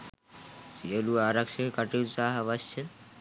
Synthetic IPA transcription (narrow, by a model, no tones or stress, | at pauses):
sieluaɾakʃekaʈisaɦaβaʃt͡ɕʰen